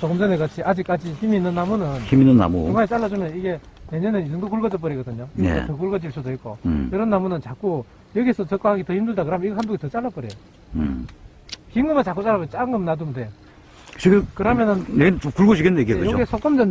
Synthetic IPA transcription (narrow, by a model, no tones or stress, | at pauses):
sʰoɡʌmd͡ʑʌneɡat͡ɕʰiʔad͡ʑik͈ad͡ʑiçimiːnːɯnːamunɯniminːɯnːa̰mṵɯŋaet͡ɕ͈aɭːad͡ʑumjʌniɡe̞ | ne̞ɲʌned͡ʑɯŋdokuɭɡʌd͡ʑɯp͈ʌɾiɡʌdɯɲoiḛsotʌkuɭɡʌd͡ʑiɭs͈udoik͈ojʌɾʌnːamunɯnt͡ɕak͈u | jʌɡiesʰʌt͡ɕʌk͈ahaɡitʌhimdɯɭdakɯɾɦamjʌniɡʌɦhandoɡetʌt͡ɕ͈aɭːap͈ʌɾejo | kiŋnɯmat͡ɕak͈ut͡ɕ͈aɭːapʌt͡ɕ͈aŋɡɯmnadumdejo | t͡ɕʰikekɯɾɦamjʌnɯnneɡeokuɭɡod͡ʑikʰennjeɡiekɯjookesʰok͈ʌmd͡ʑʌn